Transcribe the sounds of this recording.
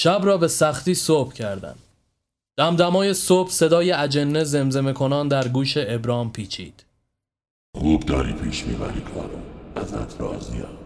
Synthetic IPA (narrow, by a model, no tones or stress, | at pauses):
ʃæbɾɒːbe̞sæxt̪iːsobcʰæɾd̪æ̰n | d̪̥æmd̪æmɒːje̞soːb̥se̞d̪ɒːje̞æd͡ʒenːeze̞mze̞me̞kʰo̞nɒːnd̪æɾɡuːʃe̞ebɾɒːmpʰiːt͡ʃʰḭːd̪̥ | xuːbd̪ɒːɾiːpʰiːʃmḭːbæɾiːkʰɒ̰ːɾoæzæ̰t̪ʰɾɒ̰ːzijɒ